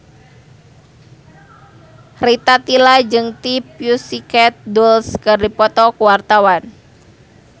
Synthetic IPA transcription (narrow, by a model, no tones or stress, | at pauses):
rit̪at̪ilad͡ʒɨŋt̪ipjusikɛt̪̚dulskɨrdipɔt̪ɔkuwart̪awan